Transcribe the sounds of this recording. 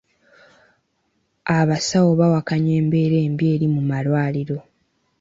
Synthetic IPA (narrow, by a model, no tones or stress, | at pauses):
aβasawo̞βawakaɲe̞ːmbe̞ːɾe̞ːmbje̞ːɾimumalwaːliɾo̞